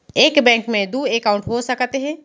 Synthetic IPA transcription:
eːkbɛ̃ːŋkmẽd̪uːeːkaʊ̃ɳʈɦosəkt̪eɦɛ̃ː

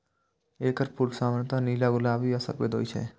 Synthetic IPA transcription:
eːkəɾpʰulsaːmənt̪aniːlaɡʊlaːbiɐsə̰ɾpḛd̪o̰ːit͡ʃʰɛ̰ː

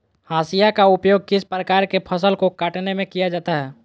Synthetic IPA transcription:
haːsijakaʊpjoːɡ̚kɪspɾəkaːɾkepʰəsəlkokaːʈnemẽkijad͡ʒaːt̪aɦɛː

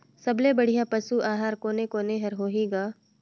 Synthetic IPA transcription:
sɐblebɐɽ̤ijapɐsuʔaːɦaːɾkoːnekoːneɦɐɾɦoːɦiːɡaː

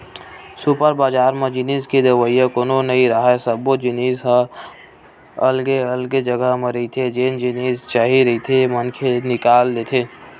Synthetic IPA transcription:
supəɾbaːd͡ʒaːɾmẽd͡ʒɪniːskid̪eʋəijakoːnonəiɾaɦasəbod͡ʒɪniːsɦə | ɐlɡeəlɡed͡ʒəɡəɦmẽɾɐɦit̪ʰed͡ʒeːnd͡ʒɪneːst͡ʃaɦiɾɐɦit̪ʰemənkʰenɪkaːldet̪ʰeː

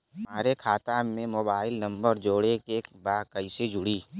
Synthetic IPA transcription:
maːɾekʰaːt̪amẽmoːbaːɪlnɐ̃mbəɾd͡ʒoːɽekeːkbaːkɐɪsed͡ʒʱʊɽiː

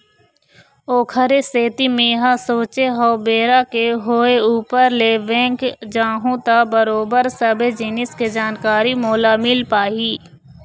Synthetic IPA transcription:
oːkʰəɾeseːt̪imẽːɦasoːt͡ʃeɦɔːbeːɾakeɦoːeuːpəɾleʋɛ̃ːkd͡ʒãːɦõt̪abəɾoːbəɾsəbed͡ʒɪnɪsked͡ʒaːnkaːɾimoːlamɪlpaːiː

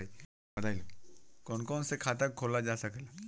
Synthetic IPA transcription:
bɐd̪aːilokɔːnkɔːnsekʰaːt̪əkʰoːlad͡ʒaːsɐkla

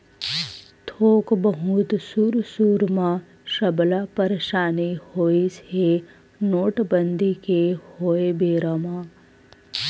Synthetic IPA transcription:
t̪ʰoːkbəɦut̪suːɾsuːɾmã | ʃɐblapəɾeʃaːnihoːise | noːʈbənd̪ʱikehoːebeːɾamã

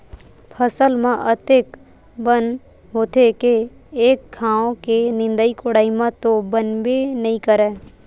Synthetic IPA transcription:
pʰəsəlmãʔət̪eːk | bən | ɦoːt̪ʰekeː | kkʰːãːõkenɪ̃nd̪əikʊɽaːimãt̪obənbenəĩkəɾɛ̃ː

